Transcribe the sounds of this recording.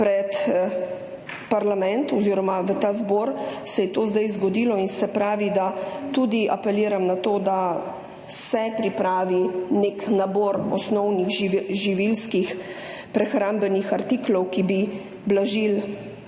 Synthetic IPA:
pɾɛt̪ | paɾlamɛnt̪ɔziːɾɔmaʋət̪aːzbɔːɾsɛjɛt̪oːzd̪ajzɡɔd̪iːlɔinsɛpɾaːʋid̪at̪ud̪iʔapɛliːɾamnat̪oːd̪a | sɛpɾipɾaːʋineknabɔːɾɔsnɔwniɣʒiʋilskixpɾɛxɾambɛnixaɾt̪iklɔwkibi | blaʒil

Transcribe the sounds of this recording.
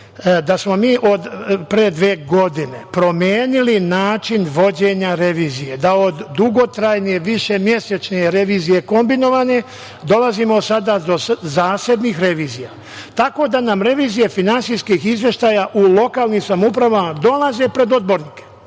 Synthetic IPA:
d̪asmo̞miːʔo̞d̪pɾed̪ʋeːɡo̞d̪ine̞pɾo̞mjeːnilinaːt͡ʃinʋo̞d͡ʑe̞ɲaɾe̞ʋiːzije̞d̪aod̪ːuɡo̞t̪ɾajnijeʋiʃe̞mje̞set͡ʃneɾe̞ʋiːzije̞ko̞mbino̞ʋane̞ | d̪o̞lazimo̞sad̪ad̪o̞zaːse̞d̪nixɾe̞ʋiːzija | t̪ako̞d̪anamɾe̞ʋiːzije̞finansijskixizʋje̞ʃt̪aːjaʔulo̞kaːlnimsamupɾaʋamad̪o̞laze̞pɾe̞d̪o̞d̪̚bo̞ɾniːke̥

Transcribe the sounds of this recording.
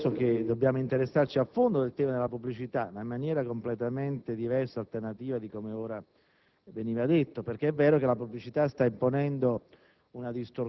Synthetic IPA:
soked̪obːjaːmoint̪eɾesːart͡ʃiafond̪od̪elt̪ɛːmad̪elapubːlit͡ʃit̪anamːanjɛːɾakomplet̪ament̪ed̪ivɛrsaːlt̪ernat̪iːvad̪ikomeoːɾa | veniːvad̪et̪ːoperkeɛvːɛːɾokelapublit͡ʃit̪ast̪aimponɛnd̪o | unad̪ist̪or

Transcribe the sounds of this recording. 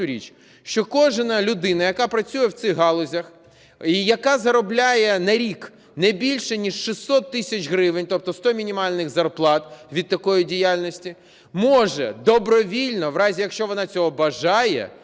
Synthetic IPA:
ʊɾʲḭt͡ʃ | ʃt͡ʃɔkɔʒnɐlʲʊd̪ɪnɐjɐkɑpɾɐt͡sʲujɛwt̪sɪɣɦɑlˠɔzʲɐx | ijɐkɑzɐɾɔblʲajɛnɐɾʲik | nɛbʲilʲʃɛnʲiʃːɪsɔt̪ːɪsʲɐt͡ʃɦɾɪʋɪnʲt̪ɔp̚t̪ɔst̪ɔmʲinʲimɑlʲnɪɣzɐrplˠɑt̪ʋʲid̪̚t̪ːɐkɔjidʲijalʲnɔsʲtʲi | mɔʒɛ̰d̪ɔbɾɔʋʲilʲnɔʋɾɑzʲijɐkʃt͡ʃɔʋɔnɑt͡sʲɔɦɔbɐʒɑjɛ̰

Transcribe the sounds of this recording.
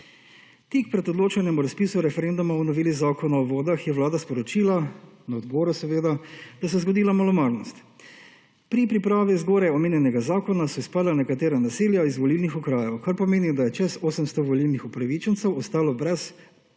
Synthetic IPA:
t̪ik̚pɾɛd̪ɔd̪loːt͡ʃanjɛmuɾaspiːsuɾɛfɛɾend̪umaɔnɔʋiːlizaːkɔnaɔʋoːd̪axjɛʋlaːd̪aspɔɾɔt͡ʃiːlanaɔd̪bɔːɾusɛʋeːd̪ad̪̥asɛzɡɔd̪iːlamɔlɔmaːɾnɔst̪ | pɾipɾipɾaːʋizɡoːɾɛɔmeːnjɛnɛɡazaːkɔnasɔispad̪lanɛkat̪eːɾanaseːljaizʋɔlilnixukɾaːjɛwkaɾpɔmeːnid̪ajɛt͡ʃɛsoːsəmst̪ɔʋɔlilnixupɾaʋit͡ʃɛnsɛwɔst̪aːlɔbɾɛs

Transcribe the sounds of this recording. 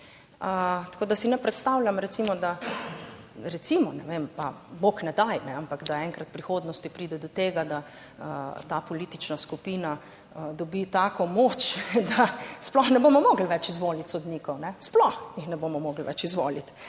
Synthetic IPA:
ət̪koːd̪asinɛpɾɛt̪st̪awlʲjamɾɛt̪simɔd̪a | ɾɛt̪simɔnɛʋempaboknɛd̪ajnɛampakd̪aɛŋkɾat̪̚pɾixoːd̪nɔst̪ipɾid̪ɛd̪ɔt̪eːɡad̪a | t̪apɔliːt̪it͡ʃnaskupiːna | d̪ɔbit̪aːkɔmoːt͡ʃd̪asplɔxnɛbomɔmɔɡl̩ʋɛt͡ʃizʋoːlit̪sɔd̪nikɔwnɛsplɔxjixnɛbomɔmɔːɡlʋɛ̰t͡ʃizʋo̰ːlit̪

